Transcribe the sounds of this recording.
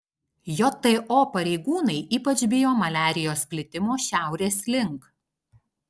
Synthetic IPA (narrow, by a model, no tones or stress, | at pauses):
jɔt̪ɛʔopɐɾʲɛɪɡuːnɐɪʔiːpɐt͡ʃbʲɪjoːmɐlʲæːɾʲɪjoːspʲlʲɪt̪ʲɪmoːʃʲæˑʊɾʲeːslʲɪŋˑk